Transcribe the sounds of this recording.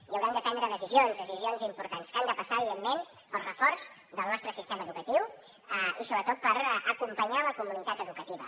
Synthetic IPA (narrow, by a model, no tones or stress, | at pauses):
jəwɾand̪əpɛnd̪ɾəðəsizionzðəsizionzimpuɾt̪anskand̪əpəsaːβiðemːen | pəlˠrəfɔɾz | d̪əlˠnɔst̪ɾəsist̪ɛməːðukət̪iw | əisoβɾət̪ɔt̪̚pəɾəkumpəɲaləkumunit̪at̪əðukət̪iβə̰